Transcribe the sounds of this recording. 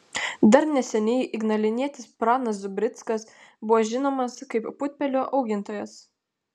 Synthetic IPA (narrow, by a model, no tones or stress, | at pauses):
d̪ɐɾnʲɛsʲɛnʲɛɪʔɪɡnɐlʲɪnʲiɛt̪ʲɪspɾɑːnɐs̬zʊbʲɾʲɪt̪skɐsbʊʋoːʒʲɪnoːmɐskɐɪppʊt̪ʲpʲɛlʲoːʔɐʊɡʲɪnt̪oːjɛs